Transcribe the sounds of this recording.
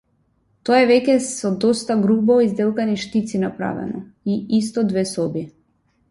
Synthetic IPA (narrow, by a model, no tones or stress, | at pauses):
t̪ɔaɛvɛcɛsɔd̪ɔst̪aɡɾubɔizd̪ɛlˠkaniʃt̪it̪sinapɾa̰vɛ̰nɔiist̪ɔd̪vɛsɔbi